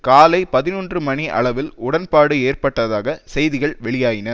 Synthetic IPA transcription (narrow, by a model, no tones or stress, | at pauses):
kaːlɐɪpɐðɪnuːndrɯmɐniʔɐ̰ɭɐʋɪlʊɽɐnpaːɽɯeːrpɐʈːɐðaːɣɐsɛjðɪɣɐɭʋɛɭɪjaːjɪnɐ